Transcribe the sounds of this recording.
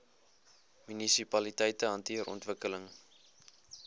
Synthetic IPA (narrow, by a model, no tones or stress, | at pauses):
mynisipɐlitɛjtəɐntiəɾʔɔ̰ntvəkələŋ